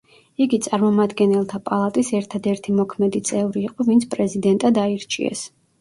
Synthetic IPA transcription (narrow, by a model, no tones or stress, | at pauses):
iɡit̪sʼaɾmɔmad̪ɡɛnɛlˠt̪ʰapʼalˠat̪ʼisɛɾt̪ʰad̪ɛɾt̪ʰimɔkʰmɛd̪it̪sʼɛvɾiːqʼɔvint̪sʰpʼɾɛzid̪ɛnt̪ʼad̪aiɾt͡ʃʰʼḭɛ̰s